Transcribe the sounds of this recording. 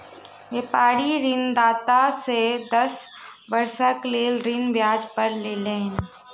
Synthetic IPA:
ʋeːpaːɾiɾɪnd̪aːt̪ased̪ɐs | bɐɾsəkleːlɾɪnbjaːd͡ʒpəɾlelẽːn

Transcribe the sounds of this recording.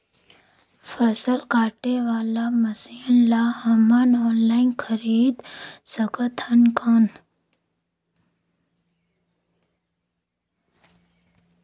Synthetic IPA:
fʰəsəlkaːʈeʋaːlaməsinlaɦɐmənɔːnlaːinkʰəɾiːd̪səkət̪ʰənkan

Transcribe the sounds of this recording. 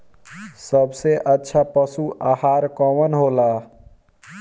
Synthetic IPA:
səbseʔətːʃʰapəsuʔahaɾkɔwənɦola

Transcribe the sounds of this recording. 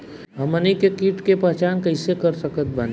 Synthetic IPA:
ɦɐmənikekiːʈkepɐɦt͡ʃaːnkɐɪsekɐɾsəkət̪̚bɐn

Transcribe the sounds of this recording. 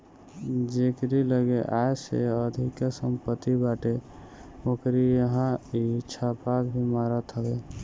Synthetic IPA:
d͡ʒekɾiləɡeʔaesḛəd̪ʱikasəmpət̪ːibaʈe | okɾijəɦãit͡ʃʰapakbʱimaɾət̪ɦəbe

